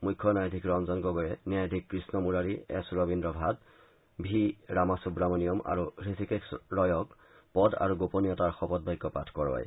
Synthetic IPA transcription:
mujkʰːɔnajdʱikɹɔmzɔnɡɔɡɔɹɛniajdʱikːɹisnɔmuɹaɹiɛ̰sɹɔbindɹɔbʱat | bʱiɹamasubɹamɔnijɔma̰ɹuɹisʰikeksɹɔjɔk | pɔda̰ɹuɡoponijɔtaɹxɔpɔt̚bɔjkːɔpatʰkɔɹba̰j

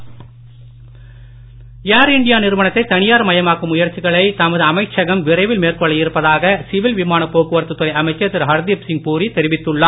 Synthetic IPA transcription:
jaːɾɪɳɖɪjaːnɪɾɯʋɐɳɐt̪ːɐɪt̪ɐnɪjaːɾmɐjɐmaːkɯmʊjɐɾt͡ʃːɪɣɐɭɐɪt̪ɐmɐðɯɐmɐɪt͡ʃːɐɣɐmʋɪɾɐɪʋɪlmeːrkɔɭːɐjɪɾɯpːɐðaːɣɐsɪʋɪlʋɪmaːnɐpːoːkɯʋɐɾt̪ːɯt̪ːɔɾɐɪɐmɐɪt͡ʃːɐt̪ːɪɾɦɐɾd̪iɐpsɪŋpuːrit̪ɛɾɪʋɪt̪ːɯɭːaː

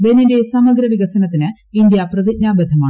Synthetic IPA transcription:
be̞ninde̞sɐmɐɡɾɐʋiɣɐsɐnɐt̪ːinɨ | ind̪ijɐprɐðic̚ɲaːbɐd̪ʱɐmaːɳ

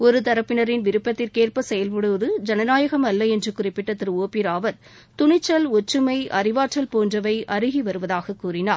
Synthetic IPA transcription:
ɔɾɯt̪ɐɾɐpːɪnɐɾɪnʋɪɾɯpːɐt̪ːɪlkeːrpɐsɛjɐlpɔɽɯʋɐðɯd͡ʒɐnɐnaːjɐɣɐmɐlːɐɛndrɯkʊrɪpːɪʈːɐt̪ːɪɾoːpiɾaːʋɐɾ | t̪ʊɳɪt͡ʃːɐlɔt͡ʃːɯmɐɪʔɐɾɪʋaːʈt͡ʃːɐlpoːndrɐʋɐɪʔɐɾɯɣiʋɐɾɯʋɐðaːɣɐkːuːrɪnaːɾ

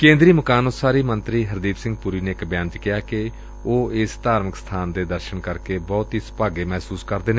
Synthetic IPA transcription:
kẽːnd̪ɾiːməkaːnoːsaːɾiːmənt̪ɾiːɦəɾd̪iːpsɪ̃ŋɡ̚puɾiːneːɪkbjãːnd͡ʒkɪjaːke | oːɪst̪aːɾməksə̥t̪ʰaːnd̪eːd̪əɾʃənkəɾkeːbɔːt̪ɦiːspaːɡeːmɛːsuːskəɾd̪eːneː

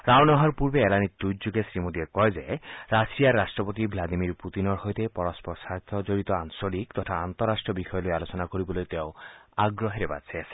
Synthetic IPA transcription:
ɾawnɔɦɔɾpuɾbeːlanid̪ud͡ʒuɡesɾimod̪iekɔjzeɾasijaɾːasʈɾɔpot̪ibʱlad̪imiɾput̪inɔɾɦojt̪epɔɾɔspɔsat̪ʰɔd͡ʒoɾit̪ɔansolikt̪ɔtʰaant̪ɔɾasʈɾɔbixʰɔjɔlojalot͡ʃɔnakoɾibɔlojt̪eʊaɡɾɔɦeɾeba̰dsʰajasʰi̥

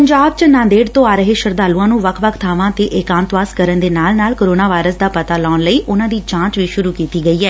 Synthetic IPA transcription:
pəɲd͡ʒaːb̚t͡ʃnãːnd̪eːɽt̪õːaːɾəɦeːʃəɾd̪aːlũːãːnũːʋəkʰʋəkʰt̪ʰaːʋãːt̪eːʔɪːkãːnt̪ʋaːskəɾənd̪eːnaːlnaːlkoːɾoːnaːʋaːɪɾəsd̪aːpət̪aːlɔːnləiːʔʊnãːd̪iːt͡ʃãːt͡ʃʋiːʃʊɾuːkiːt̪iːɡəiːɛː

